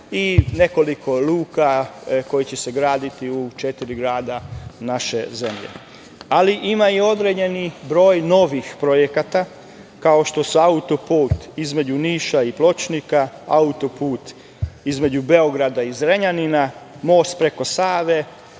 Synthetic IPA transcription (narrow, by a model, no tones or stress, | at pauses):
ine̞ko̞likʰoluːkako̞jit͡ɕe̞seɡɾaːd̪it̪iut͡ʃe̞t̪iɾiɡɾaːd̪anaʃe̞ze̞mʎḛ | aliʔimaio̞d̪ɾeɲe̞nibɾo̞ːjno̞ʋixpɾo̞jekat̪a | kao̞ʃt̪o̞suaut̪o̞puːt̪izme̞d͡ʑuniːʃaiplo̞t͡ʃnikaa̰ut̪o̞puːt̪ | izme̞d͡ʑube̞o̞ɡɾad̪aizɾeɲanina | mo̞ːst̪̚pɾe̞ko̞saːʋe